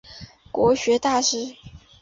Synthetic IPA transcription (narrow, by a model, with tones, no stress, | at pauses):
kwɔ˧˥ɕɥɛ˧˥t̪a˥˧ʂɻ̩˥˩